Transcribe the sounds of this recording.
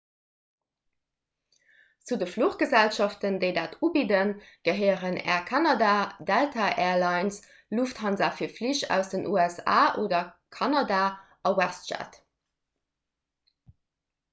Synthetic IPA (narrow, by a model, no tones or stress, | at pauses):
t͡sudəfluχɡ̥əzælʃɑftəndəɪdaːtuːbidənɡ̥əɦəɪəʁənɛ̰ːɐkʰɑnɑdaːdæltʰaʔɛːɐlɑɪns | lufthɑnzaːfiːɐfliʃæ̰ʊsd̥ənʔuːæsa̰ːʔoːdɐ | kʰɑnɑdaː | ɑwæstʃæ̰t